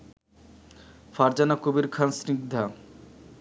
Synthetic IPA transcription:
faɾd͡ʑanakubiɾkʰansniɡ̚d̪ʱa

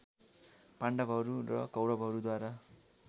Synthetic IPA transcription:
paɳɖʌbʱʌɾurʌ̰kʌwɾʌbʱɦʌɾud̪waɾa

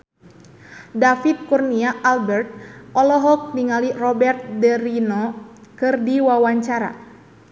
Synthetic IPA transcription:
dafit̪̚kurniaʔalbɛrt̪̚ʔɔlɔɦɔk̚niŋalirɔbɛrt̪̚dɛɾinɔkɨrdiwawaɲt͡ʃaɾa̰

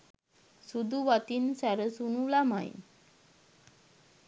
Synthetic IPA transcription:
sud̪uʋat̪iːnsaɾəsunulama̰j̰

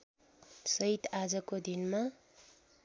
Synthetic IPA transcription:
sʌit̪ad͡zʌkod̪inma

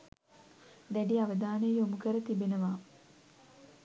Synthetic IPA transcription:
d̪æɖiaʋəd̪aːnejjomukəɾət̪ibenəʋaː

